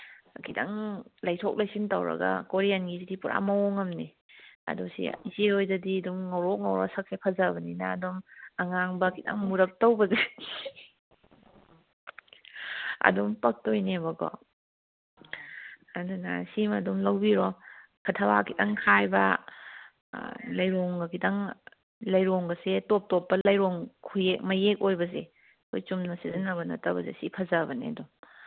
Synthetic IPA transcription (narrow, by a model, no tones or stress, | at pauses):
kʰita̰ŋlajtʰok̚lajsintɐwɾɐ̰ɡa̰koɾianɡizidipuɾʔa̰mɐoŋɐmni | ɐ̰dusḭziojzɐdiɐdumŋawɾok̚ŋawɾɔsɐkʰepʰɐzabɐninaːdumaŋaŋbɐkʰitɐ̰ŋmuɾɐk̚towbɐzadi | ɐ̰dumpɐk̚tojnebɐɡɔ̰ | ɐduna̰simɐdumlɐwbiɾɔ | kʰɐtʰɐwakʰitɐŋkʰajbɐ | lɐjɾoŋɡɐkʰitɐŋ | lɐjɾoŋɡɐsetop̚topːɐlɐjɾoŋkʰujek̚mɐjek̚ojbɐze | kʰojt͡ʃumnɐsizinɐbɐnɐ̰tɐbɐzḛsipʰɐzabɐnḛdum